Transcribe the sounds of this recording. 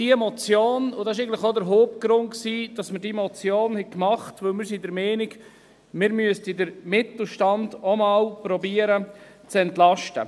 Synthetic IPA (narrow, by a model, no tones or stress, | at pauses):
d̥iɛmɔt͡sjoːnʊdɑsɪʃ̬eɪɡn̩tlɪχodəɾɦoːp̚ɡ̥ɾʊnksiːd̥ɑsməɾdimɔt͡sjoːnhɛkmɑχtʋɵwlmɪɾsidəɾmɛːnɪɡ | mɪɾmyəstidəɾmɪt̪l̩ˠʃtɑnd̥omɑːlpɾɔbiːəɾə | t͡sɛntlɑʃtə